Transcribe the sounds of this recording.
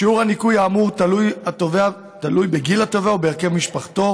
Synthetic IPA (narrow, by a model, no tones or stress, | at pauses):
iuʁhanikujaːmutalujat̪ovea | t̪alujbeɡilat̪oveaobeːʁke̞vmiʃpaχt̪o̞